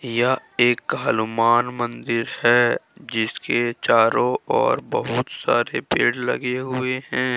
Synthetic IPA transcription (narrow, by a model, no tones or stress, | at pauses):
jaeːkːaːlumaːnmə̃nd̪ɪɾhɛːd͡ʒɪsket͡ʃaːɾõɔ̰ːɾbəɦʊt̪sa̰ːɾepeːɽlɐ̰ɡeɦʊeɦɛ̃ː